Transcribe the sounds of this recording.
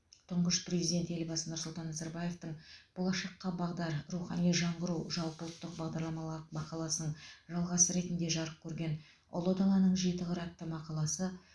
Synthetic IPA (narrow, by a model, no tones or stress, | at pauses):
t̪ʰʊɴʁəʃprʲezijd̪ʲe̞nt̪e̞lbɑsənʊɾsʊlˠt̪ɑnːɑzɑɾbɑje̞ft̪əɴb̥olˠɑʃɑqːɑbɑʁd̪ɑɾɾuχɑnijʒɑɴʁəɾuʒɑlˠpəlˠət̪ːəq̚bɑʁd̪ɑɾlˠɑmɑmɑqɑlˠɑsənəɴʒɑlˠʁɑsəɾe̞t̪nd̪e̞ʒɑɾəp̚kʲʰɵɾɡʲe̞n | o̰lˠod̪ɑlˠɑnəɴʒe̞t̪ɪʁɑɾɑt̪ːəmɑqɑlˠɑsə